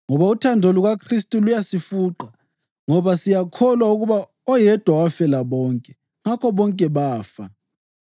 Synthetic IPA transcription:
ŋɔβautʰandʱoluɣakʰris̬tʼulujasifuːǃa | ŋɔβasijakʰɔlwauɣuβa | ɔjɛd̥ʱwawafɛlaβɔŋkʼɛ | ŋakʰɔβɔŋkʼɛβaːfa

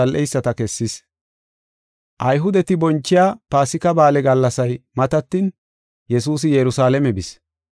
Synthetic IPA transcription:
ɐlʔɛjsːɐt̪ɐkɛsːɪs | ʔɐjɦʊd̪ɛt̪ɪbɔnt͡ʃːɪjaːpaːsɪkɐbaːlɛɡɐlːɐsɐjmɐt̪ɐt̪ːiːn | jɛs̬uːs̬ɪjɛɾʊsaːlɛmɛbɪs

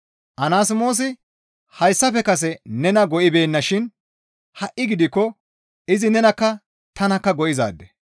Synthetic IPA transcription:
ʔɐnaːs̬ɪmo̞ːs̬ɪ | hɐjsːɐfɛkɐs̬ɛnɛnɐɡɔʔɪbe̞ːnːɐʃɪn | hɐʔːɪɡɪd̪ɪkːɔ | ɪzɪnɛnɐkːɐ | t̪ɐnɐkːɐɡɔʔɪza̰ːd̪ːɛ̥

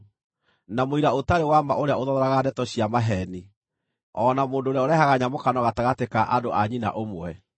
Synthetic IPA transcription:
namoiɾaotaɾewamaʔoɾeaoðɔɾɔɾaɣadɛtɔɕjamaɦɛni | ɔnamoːndoːɾeaoɾeaɦaɣaɲamokanɔɣataɣatekaʔadoʔaɲina̰ʔomwɛ

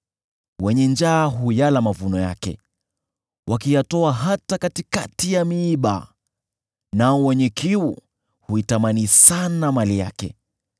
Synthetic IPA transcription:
wɛɲɛnd͡ʒaːɦujalamavunɔja̰kɛ̰ | wʔakijatɔaɦatakatikatijamiːɓa̰ | naɔwɛɲɛkiu | huitamanisanamalija̰kɛ̰

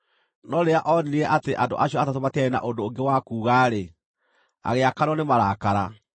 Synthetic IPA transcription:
nɔɾeaʔɔniniɛʔateʔando̰ʔaɕjɔatatomatɛɾena̰ʔondoːŋɡewakuːɣaːɾe | a̰ɣeakaɾɔnemaɾaːkaɾa

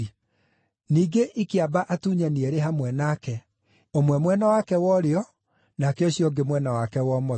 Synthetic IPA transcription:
niːɡeʔikeabaʔatuɲanieɾeɦamwɛnaːkɛ | omwɛmwɛnawakɛwɔɾeɔ | nakeɔɕjɔɡemwɛnawakɛwɔmɔ

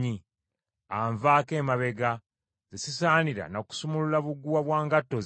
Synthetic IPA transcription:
i | aɱvaːke̞ːmaβe̞ɡa | zesisaːniɾa̰noku̥sumululaβuɡːuwaβwaːŋɡatːoz

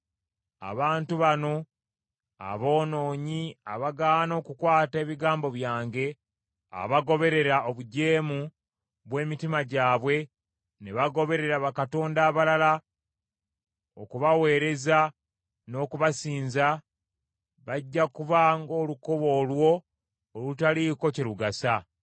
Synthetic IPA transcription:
a̰βaːntuβano̞ | a̰βo̞ːno̞ːɲia̰βaɡaːno̞ːkukwaːte̞ːβiɡaːmbo̞βjaːŋɡe̞ | a̰βaɡo̞βe̞ɾe̞ɾaoβuɟe̞ːmu | βwe̞ːmitimaɟaːβwe̞ | neβaɡo̞βe̞ɾe̞ɾaβakato̞ːndaːβalala | okuβawe̞ːɾe̞za | no̞ːkuβasiːnza | βaɟːakuβaŋɡo̞ːluko̞βo̞ːlwo̞ː | lutaliko̞ciɾuɡasa

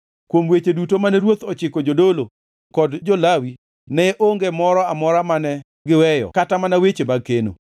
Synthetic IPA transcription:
kwomwet͡ʃedutomanɛɾwot̪ɔt͡ʃɪkɔd͡ʒodolo | kɔdd͡ʒolawi | nɛʔoŋɡemɔɾɔamɔɾamanɛ | ɡɪwɛjɔ̰katamanawet͡ʃemakeno̰

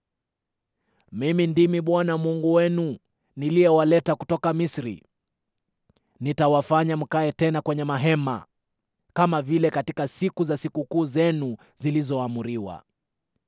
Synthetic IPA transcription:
mimindimiɓwanamuŋɡuwɛnu | niliɛwalɛtakutɔkamisɾḭ | nitawafaɲam̩kaɛtɛnakwɛɲɛmaɦɛma̰ | kamavilɛkatikasikuzasikukuːzɛnu | zilizɔamuɾiwa̰

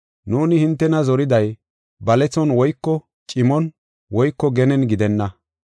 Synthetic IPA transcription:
nuːnɪhɪnt̪ːɛnɐzɔɾɪd̪ɐj | bɐlɛt͡sːɔnwɔjkːɔ | t͡ʃʼɪmɔn | wɔjkːɔɡɛnɛnɡɪd̪ɛnːɐ

